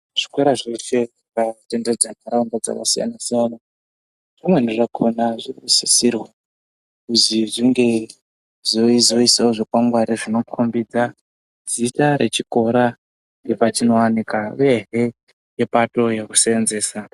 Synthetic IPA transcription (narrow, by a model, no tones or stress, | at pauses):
ʐ̥ikweɾaʐife̞ʐikate̞nded͡zanaɾaundad͡za̰ka̰sija̰nasijana | ʐimwe̞niʐakʰonaʐirusisirwa | kuziʐiŋɡe̞ | zozo̞isaoʐokwaŋɡwaɾiʐino̞kʰombid͡za | d͡zitaɾʔet͡ʃiko̞ɾa | ŋɡepat͡ʃino̞wanikareɦe̞ | je̞pato̞jeku̥seenzeːsa